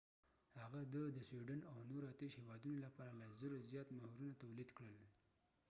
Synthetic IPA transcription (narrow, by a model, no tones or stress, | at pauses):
haɣad̪əd̪əswiɖanawnoɾat̪eʃhewɑd̪unolapɑɾalazəɾozjɑt̪mahɾunat̪awlid̪kɽəl